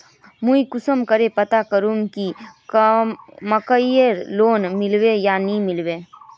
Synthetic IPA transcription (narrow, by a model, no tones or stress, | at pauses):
mũikʊsəmkəɾepət̪akəɾũŋkik | məkəjəɾloːnmɪlwejanimɪlweː